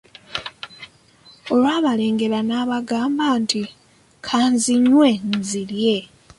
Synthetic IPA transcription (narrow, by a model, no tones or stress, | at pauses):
olwaːβale̞ːŋɡe̞lanaːβaɡaːmbaːnti | kʰaːnziɲwe̞nzilje̞